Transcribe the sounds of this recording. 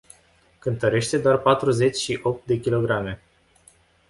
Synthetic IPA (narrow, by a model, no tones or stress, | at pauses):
kɨnt̪əɾe̞ʃt̪e̞d̪oarpat̪ɾuze̞t͡ʃʲʃiʔo̞p̚t̪̚d̪e̞kʲilo̞ɡɾame̞